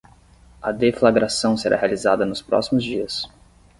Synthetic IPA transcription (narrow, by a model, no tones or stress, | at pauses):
ɐd̪eflaɡɾasɐ̃w̃seɾa̰healizad̪ɐnʊspɾɔ̰simʊzd͡ʒiɐs